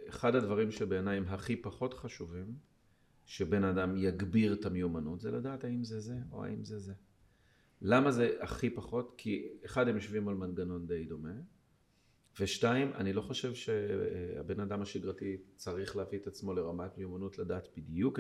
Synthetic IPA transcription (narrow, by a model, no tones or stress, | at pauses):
eχadhadvaʁimʃelbe̞ːnajmɦaχipaχo̞tχaʃuvim | ʃebe̞nadamjaɡbiʁtameumanutzeladaːthaimzeze̞o̞̰a̰imzeze̞ | lamaze̞ʔaχipaχo̞tkʰieχadhemjoʃvimalmanɡano̞nde̞jdo̞me̞ | veʃnaima̰nilo̞χo̞ʃe̞vʃe̞a̰be̞nadamhaʃiɡʁatit͡saʁiχlehaviet̪at͡smo̞le̞ʁamatmeumanutladaːt̪b̥idjuk